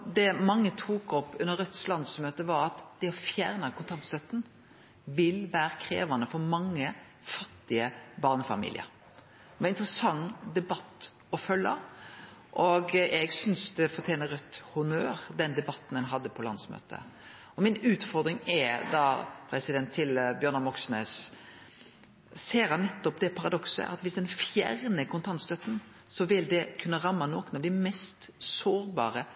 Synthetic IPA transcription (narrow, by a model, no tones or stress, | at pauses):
d̪ɛmɑŋːət̪ʰuːkɔpːʉnːəɾœt̪ːslɑnd̪smøːt̪əʋɑɾɑt̪d̪̥ɛɔfjæːʁnəkʰʊnt̪ʰɑnt̪st̪œt̪ːn̩ | ʋɪlʋæːɾəkʰɾḛːʋɑnəfɔɾmɑŋːə | fɑt̪ːɪəbɑːʁnəfɑ̰mḭːlɪ̰ə̰ɾ | ʋɑɪnt̪ɾəsɑŋd̪ɛbɑt̪ː | ɔfœlːə̰ | ʔɔɡɛɡsʏnsd̪ɛfɔʁt̪ʰjeːnəɾœt̪ːhʊnøːɾd̪ɛnd̪ɛbɑt̪ːn̩hɛnɦɑd̪ːəpʰɔlɑ̰nd̪smø̰ːt̪ʰə̰ | ɔmɪnʉːt̪fɔɾd̪ɾɪŋɛd̪ɑpʰɾɛsɪd̪ɛnt̪ʰːɪlbjœɾnɑmɔksnøːs | seːɾhɑnːɛt̪ːɔpd̪ɛpʰɑɾɑd̪ɔksə̰ʔɑ̰t̪ʋɪsd̪ɛnfjæ̰ɾnəkʰʊnt̪ʰɑnt̪st̪œt̪ːn̩ | sɔʋɪld̪ɛkʰʉnːəɾɑmːɑnɔːknɑʋd̪ɛmɛst̪soːɾbɑːɾə